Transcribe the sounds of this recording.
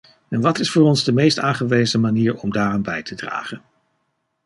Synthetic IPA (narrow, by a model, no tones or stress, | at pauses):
ɛnʋɑtɪsfʊːrɔnzdəmejstaːnχəʋejzəmaniːɹɔmdaːrɔmbɛjtədra̰ːχən